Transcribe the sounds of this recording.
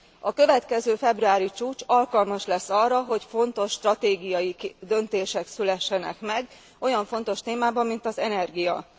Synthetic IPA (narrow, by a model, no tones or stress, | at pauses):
ɒkø̞vɛt̪kɛzøːfɛbruaːɾit͡ʃuːt͡ʃɒlkɒlmɒʃlɛsːɒrːɒɦo̞cfo̞nt̪o̞ʃːt̪rɒt̪eːɡijɒjid̪ønt̪eːʃɛksylɛʃːɛnɛ̰kmɛɡ | ʔo̞jɒɱfo̞nt̪o̞ʃt̪eːmaːbɒmːint̪ɒzɛnɛrɡijɒ̰